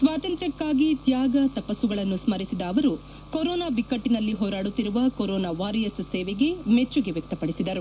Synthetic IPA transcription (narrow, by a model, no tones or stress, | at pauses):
sʋaːt̪ɐnt̪ɾɐkːaːɡit̪jaːɡɐt̪ɐpɐsuɡɐɭɐnːusmɐɾisid̪ɐːʋɐɾu | koɾɔːnaːbikːɐʈːinɐlːiɦoːɾaːɽut̪ːiɾuʋɐkoɾɔːnaːʋaːɾijɐsseːʋeɡe̞me̞t͡ʃːuɡeʋjɛk̚t̪ɐpɐɽisid̪ɐɾu